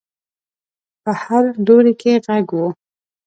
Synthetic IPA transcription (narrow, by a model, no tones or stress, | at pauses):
pəhaɾd̪oɾikʰeɣaɡwu